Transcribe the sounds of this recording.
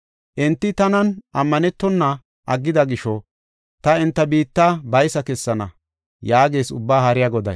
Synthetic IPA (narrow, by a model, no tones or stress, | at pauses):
ʔɛnt̪ːɪt̪ɐnɐnʔɐmːɐnɛt̪ːɔnːɐ | ʔɐɡːɪd̪ɐɡɪʃɔ | t̪ɐɪnt̪ːɐbiːt̪ːabɐjsɐkɛsːɐnɐ | jaːɡe̞ːsʊbːaːhɐɾɪjɐɡɔd̪ɐ̰j